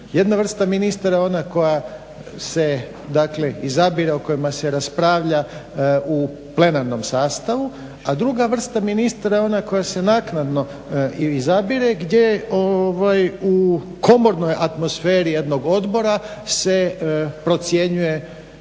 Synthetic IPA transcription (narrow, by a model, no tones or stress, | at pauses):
je̞d̪naʋr̩st̪aminist̪aɾao̞nako̞ja | se̞ | d̪akle̞izabiɾeoko̞jimase̞ɾaspɾaːʋʎa | u | ple̞naɾno̞msaːst̪aʋu | ad̪ɾuɡaʋr̩st̪aminist̪aɾao̞nako̞jase̞naːknad̪no̞ | izabiɾe̞ɡd̪je̞oʋaju | ko̞mo̞ɾno̞jʔat̪mo̞sfeːɾijed̪no̞ɡo̞d̪bo̞ɾase̞pɾo̞t̪sje̞ɲuje̞